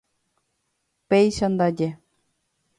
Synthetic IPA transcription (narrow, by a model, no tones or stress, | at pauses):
pʲejɕɤ̆nd̪ɑdʲe